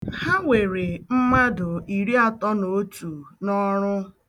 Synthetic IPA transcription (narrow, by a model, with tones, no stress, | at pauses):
ha˦ŋʷe˨ɾe˨m̩˦ma˦dʊ˨i˨ɾi˦a˨tɔ˦no˨˦tu˨nɔ˦ɾʊ˦